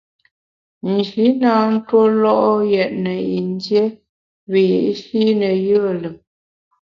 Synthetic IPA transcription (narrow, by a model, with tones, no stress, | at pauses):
n̩˨ʃi˨˦naː˨˦n̩˦two˦lɔ˦ʔɔ˦jɛ˨ʔ̚nə˨i˨n˦dje˦ | βə˨jḭ˨ʔʃi˦nə˨jə˦˨lə˨